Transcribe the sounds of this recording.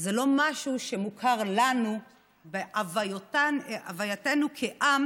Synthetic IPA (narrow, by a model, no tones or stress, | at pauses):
zelo̞maʃuʃe̞mukʰaʁlanu | beʔavajotaeavajatenukʰeʔam